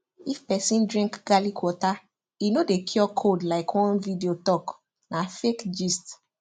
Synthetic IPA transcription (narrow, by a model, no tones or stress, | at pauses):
ifpɛsĩndɹĩŋkɡalikwɔta | inodekʰjɔkʰodlaɪkwɔ̃nvidiotɔk | nãfekd͡ʒist